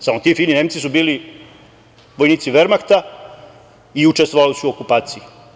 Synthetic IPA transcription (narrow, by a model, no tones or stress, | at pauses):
samot̪iːfilnineːmt̪sisubiːli | ʋo̞jniːt̪siʋeɾmakt̪a | iut͡ʃest̪ʋoʋalisuokupaːt̪siji